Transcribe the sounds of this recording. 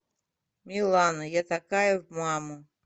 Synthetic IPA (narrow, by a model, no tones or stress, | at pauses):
mʲilˠanɐjat̪akajɐvmamʊ